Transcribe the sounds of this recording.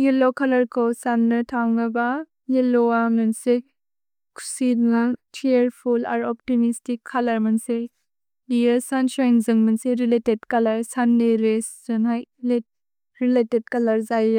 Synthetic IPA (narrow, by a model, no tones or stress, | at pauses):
jelokʰalɐɾkʰowsanːɯtʰawnɐba | jeloamɐnse | kʰu̥sidnat͡ʃʰieɾpʰulaɾɔp̚timistikʰːalɐɾmɐnse | lijəsansajnzɯŋmɐnseɾiletedkɐlɐɾsanːeɾeszɐnajle | ɾileted̚kɐlɐɾzaj